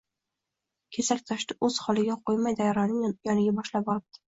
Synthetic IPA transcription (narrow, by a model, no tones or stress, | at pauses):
kʲʰesaɾʲt̪ʰaʃt̪ɪʔɵz̥hɒlˠɪɡʲaqʰojmajd̪ajɒɾɒnɪŋjɒnɪɡʲabɒʃlap̚bɒɾɪp̚t̪ɪ̥